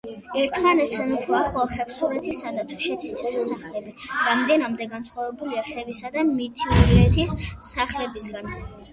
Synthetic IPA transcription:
ɛɾt̪ʰmanɛt̪ʰɛnupʰɾɔaχɔχɛpʰsuɾɛt̪ʰisad̪at̪ʰu̥ʃɛt̪ʰist̪sʰɛχisaχlɛbiɾamd̪ɛnamd̪ɛɡant̪sʰχwavɛbuliaχɛvisad̪amit̪ʰiɔɾɛt̪ʰisːaχlɛbisɡan

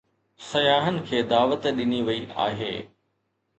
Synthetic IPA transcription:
sɐjaːɦənɪ̆kʰeːd̪aːʋət̪ɗɪniʋɐiʔa̰ːɦḛː

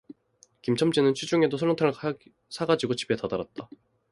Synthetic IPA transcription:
kimt͡ɕʰʌmd͡ʑinɯnt͡ɕʰɥid͡ʑuŋe̞dosʰʌɭotʰaŋɭ | sʰaɡad͡ʑiɡot͡ɕi̥pʰetadaɾat̚t͈a

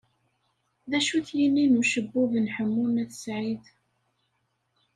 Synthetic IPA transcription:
ðæʃuθjinːinuʃəbːuvnħəmːunæθə̥sʕið

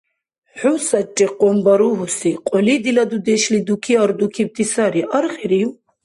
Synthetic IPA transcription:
ħusat͡ʃʼiqʼɔmbaɾuɦusiqʼɔlid̪ilad̪ud̪ɛʃlid̪ukʰiaɾd̪ukʰib̚t̪ʰisaɾiʔaɾχɛɾiw

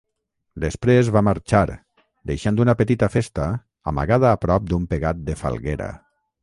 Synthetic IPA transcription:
d̪əspɾezβaməɾt͡ʃaɾ | d̪ejʃand̪unəpət̪it̪əfest̪ə | ə̰mə̰ɣaðəːpɾɔp̚d̪umpeɣat̪̚d̪əfa̰lˠɣeɾə̰

